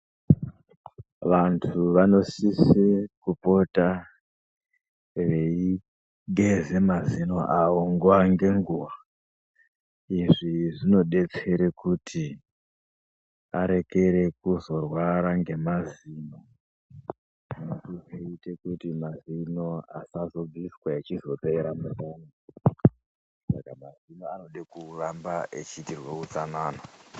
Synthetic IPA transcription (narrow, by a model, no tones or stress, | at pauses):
ʋantʰuʋano̞sisekupo̞ta | ʋei | ɡʱe̞ze̞mazino̞ʔaoŋɡuwaŋɡe̞ŋɡuːʋa | iʐiʐino̞ɗe̞t͡se̞ɾe̞kutʰi | aɾe̞ke̞ɾe̞kuzo̞rwaɾaŋɡe̞maziːno | tukeitekutimazinoa̰sazo̞b͡viswaet͡ʃizo̞pe̞ɾamuraːna | sa̰kamazinoano̞ɗekurambaet͡ʃitirwekut͡sanaːna